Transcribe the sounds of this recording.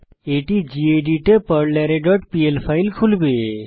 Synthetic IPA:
eʈid͡ʒieɖiʈepəɾlɛɾeɖɔʈpielpʰailkʰulbe

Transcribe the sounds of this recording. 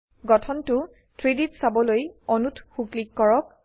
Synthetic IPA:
ɡɔtʰɔntʊ | tʰɹiditsabɔlojɔnutʰxuklikːɔɹɔk̚

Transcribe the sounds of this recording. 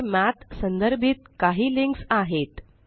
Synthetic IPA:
mat̪sənd̪əɾbʱit̪̚kaɦiːliŋksaɦet̪

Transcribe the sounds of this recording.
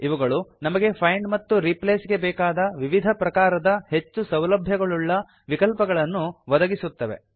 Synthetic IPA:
iʋɐɡɐɭunɐmɐɡe̞pʰɐjɳɖmɐt̪ːuɾipleːsɡe̞bɛːkaːd̪ɐʋiʋid̪ʱɐpɾɐkaːɾɐd̪ɐhe̞t͡ʃːusɐwlɐbʱjɐɡɐɭuɭːɐ | ʋikɐlpɐɡɐɭɐnːuʋɐd̪ɐɡisut̪ːɐʋe̞̰

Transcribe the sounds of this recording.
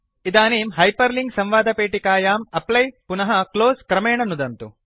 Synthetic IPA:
id̪aːniːmɦɐjpɐɾliŋɡsɐ̃mʋaːd̪ɐpeːʈikaːjaːmɐplɐjpunɐɦɐkloːskɾɐmeːɳɐnud̪ɐnt̪ṵ

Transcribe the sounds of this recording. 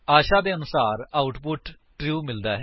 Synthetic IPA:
aːʃaːd̪eːənʊsaːɾaːʊʈpʊʈ | ʈɾjuːmɪld̪aːɦɛ

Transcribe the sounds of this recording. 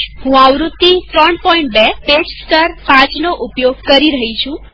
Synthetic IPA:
hũaʋɾut̪ːifɾɔɳpɔiɳʈ̚beped͡ʒsʈəɾpãt͡ʃnoʔupjoɡ̚kəɾiɾəɦit͡ʃʰũ

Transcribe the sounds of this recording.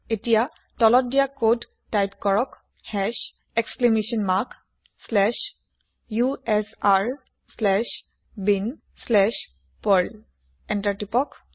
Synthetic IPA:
etija | tɔlɔt̚dijakod | tajpkɔɹɔk | hɛʃ | eksklemesɔnmak | slɛʃ | juɛsaɹ | slɛʃ | bin | slɛʃ | pɔl | ɛntaɹtipɔk

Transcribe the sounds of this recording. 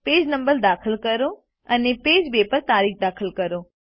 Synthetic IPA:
peːd͡ʑnɐ̃mbəɾd̪aːxəlkɐɾo | ɐnepeːd͡ʑbeːpəɾt̪aːɾiːkd̪aːxʰəlkɐɾoː

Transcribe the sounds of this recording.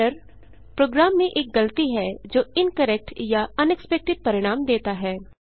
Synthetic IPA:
əɾ | pɾoːɡɾaːmːẽʔeːk̚ɡɐlt̪iɦɛd͡ʒoːɪnkəɾɛk̚ʈjaɐnɛkspɛk̚ʈɪt̪̚pɐɾɪɽ̃aːmd̪eːt̪aɦɛː

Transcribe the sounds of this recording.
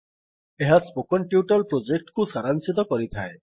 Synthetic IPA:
eɦaspokɔnʈjuʈɔlpɾod͡ʒek̚ʈkusaɾansit̪̬ɔkɔɾit̪ʰae

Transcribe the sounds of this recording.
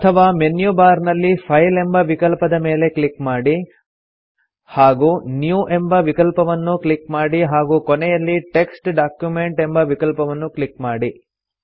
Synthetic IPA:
ɐt̪ʰɐʋaːme̞njubaːɾnɐlːipʰɐjle̞mbɐʋikɐlpɐd̪ɐme̞ːle̞klikmaːɽi | haːɡuːnjuːʔe̞mbɐʋikɐlpɐʋɐnːuklikmaːɽiɦaːɡuːkonɛjɐlːiʈe̞ksʈɖaːkjume̞ɳʈe̞mbɐʋikɐlpɐʋɐnːuklikmaːɽi

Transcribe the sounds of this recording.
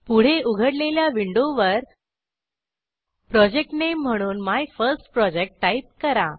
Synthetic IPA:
puɽ̤eʔuɡʱəɽleljaʋiɳɖoʋəɾ | pɾɔd͡ʑek̚ʈnem̤ːəɽ̃uːnmajfəɾsʈpɾɔd͡ʑek̚ʈːaip̚kəɾa

